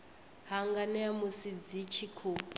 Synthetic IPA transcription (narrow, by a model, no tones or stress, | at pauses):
ɦaŋɡanɛamusid͡zit͡ʃʰikʰu